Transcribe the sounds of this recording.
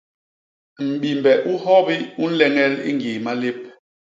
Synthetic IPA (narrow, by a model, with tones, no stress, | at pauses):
m̩˨ɓi˨mbɛ˨ʔu˦hɔ˦bi˦u˦n̩˦lɛ˦ŋɛ˦lḭ˦ŋɡi˨ma˦le˦p̚